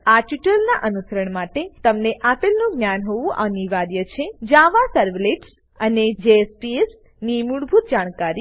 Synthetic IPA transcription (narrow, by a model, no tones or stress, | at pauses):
aʈuʈəlnaʔənusəɾəɳmaʈet̪əmneʔapelnũɡnjanɦoʋũʔəniʋaɾjət͡ʃʰed͡ʒaʋasəɾʋleʈs | əned͡ʒeːspies | nimuɽbʱut̪̚d͡ʒaɽ̃kaɾi